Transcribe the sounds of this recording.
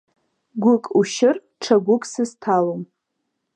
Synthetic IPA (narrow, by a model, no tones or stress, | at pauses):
ɡʷʊkʼuʃɪr | ʈ͡ʂʰaɡʷʊkʼsɨztʰalom